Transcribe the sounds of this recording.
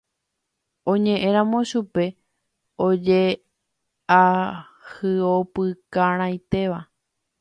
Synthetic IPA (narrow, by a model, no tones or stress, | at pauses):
õɲẽ̞ʔẽ̞ɾãmõʃupe̞ | od͡ʒe | a | hɨopɨkaɾ̃ãjt̪e̞ʋa